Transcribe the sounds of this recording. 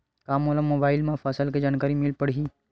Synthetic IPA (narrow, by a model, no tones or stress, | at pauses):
kaːmoːləmːoːbaːɪlmãfaːsəlked͡ʒaːnkaːɾimɪlpəɽiː